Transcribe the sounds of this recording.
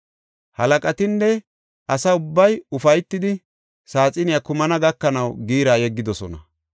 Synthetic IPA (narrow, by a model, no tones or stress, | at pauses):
hɐlɐkʼɐt̪ɪnːɛ | ʔɐsɐʊbːɐjʊfɐjt̪ːɪd̪ɪ | saːt͡sʼɪnɪjɐkʊmɐnɐɡɐkːɐnɐwɡiːɾaːjɛɡːɪd̪ɔsɔ̰nɐ̰